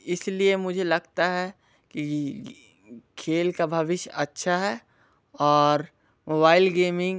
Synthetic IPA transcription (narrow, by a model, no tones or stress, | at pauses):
ɪsliemʊd͡ʒʱelɐɡt̪aɦɛ | ki | kʰeːlkabʱɐʋɪʃjɐtːʃʰaɦɛ | ɔːɾ | moːbaːɪlɡeːmɪ̃ŋ